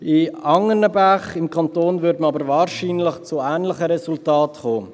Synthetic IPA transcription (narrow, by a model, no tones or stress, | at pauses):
ɪɑŋənəbaχɪmkʰɑntoːnvʏɾdməɑbəɾvɑːɾʃiːnlɪχt͡sʊæːnlɪχəɾɛsultɑːtχoː